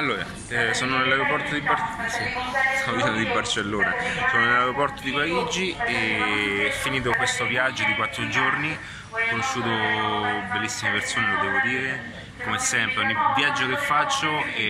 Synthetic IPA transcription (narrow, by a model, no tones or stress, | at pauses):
alːoːɾa̰ | soːnonelːajɾopɔrt̪od̪ibasist̪amod̪it͡ʃɛnd̪d̪ibːart͡ʃelːoːnasoːnonelaeɾopɔrt̪od̪ipaɾid͡ʒieɛfːiniːt̪̬okwest̪ovjad͡ʒːod̪ikwat̪ːɾod͡ʒoɾni | ɔkːonoʃːuːt̪o | belːisːimepersoːnelod̪ɛːvod̪iːɾe | komesɛmpɾeɔɲːivjad͡ʒːokefːat͡ʃːoɛ